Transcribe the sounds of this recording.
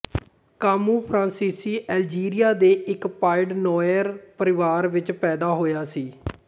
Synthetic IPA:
kaːmuːpʰɾãːnsiːsiːʔɛːld͡ʒiːɾijaːd̪eːʔɪkpaːɪɖnɔːjəɾpəɾɪʋaːɾʋɪt͡ʃpɛːd̪aːɦoːjaːsiː

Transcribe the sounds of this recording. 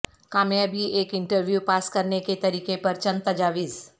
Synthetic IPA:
kaːmjabʱiʔeːkɪ̃ɳʈəɾʋjuːpaːskɐɾneket̪ɐɾiːkepɐɾt͡ʃɐ̃nt̪ɐd͡ʒaːʋiːz

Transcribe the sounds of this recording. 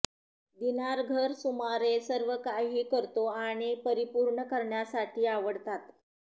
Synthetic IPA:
d̪inaɾɡʱəɾsumaɾesəɾʋəkaɦiːkəɾt̪oaɽ̃ipəɾipuɾɳəkəɾɳjasaʈʰiːaʋəɽt̪at̪

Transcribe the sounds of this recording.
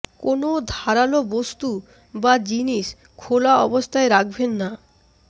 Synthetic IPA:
konod̪ʱaɾalobost̪u | bad͡ʑiniʃ | kʰolaɔbost̪ʰaeɾak̚ʰbenːa

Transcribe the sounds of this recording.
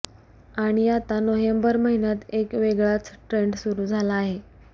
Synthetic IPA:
aɽ̃iat̪anoɦjəmbəɾməɦinjat̪ekʋeɡɭat͡sʈɾeɳɖsuɾuːd͡zʱalaːɦe

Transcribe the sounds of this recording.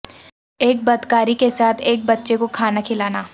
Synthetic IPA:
eːk̚bɐd̪kaːɾikesaːt̪ʰeːk̚bɐtːʃekokʰaːnakʰɪlaːnaː

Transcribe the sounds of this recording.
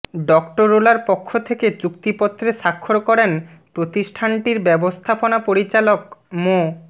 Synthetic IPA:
ɖɔkʈoɾolaɾpokʰːot̪ʰeket͡ɕukt̪ipot̪ːɾeʃakʰːoɾkɔɾen | pɾot̪iʃʈʰaɳʈiɾbɛbost̪ʰaponapoɾit͡ɕalokmo

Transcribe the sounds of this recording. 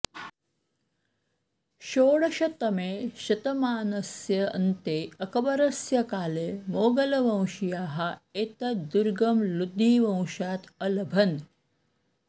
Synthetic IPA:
ʃoːɽɐʃɐt̪ɐmeːʃɐt̪ɐmaːnɐsjɐɐ̰nt̪eːɐkɐbɐɾɐsjɐkaːleːmoːɡɐlɐʋɐ̃w̃ʃijaːɦɐeːt̪ɐd̪uɾɡɐmlud̪ʱːiːʋɐ̃w̃ʃaːt̪ɐlɐbʱɐn

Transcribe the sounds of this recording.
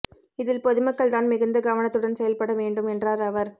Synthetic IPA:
ɪðɪlpɔðɯmɐkːɐɭt̪aːnmɪɣɐnd̪ɐɡɐʋɐnɐt̪ːɯɽɐnsɛjɐlpɐɽɐʋeːɳɖɯmɛndraːɾɐʋɐɾ

